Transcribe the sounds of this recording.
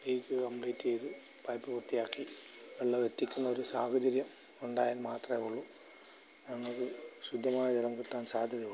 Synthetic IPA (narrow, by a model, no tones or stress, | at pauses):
iːkːɨkɐmpɭiːtːejðɨ | pɐjpːɨpurt̪ijaːkːi | ʋeɭːɐʋet̪ːikʲːunːɐoɾusaːkɐd͡ʑɐɾjɐm | uɳɖaːjaːlmaːt̪rɐeuɭːu | nɐŋːɐoɾuɕud̪ʱːɐmaːjɐd͡ʑelɐmkiʈːaːnsaːd̪ʱjɐðiuɭ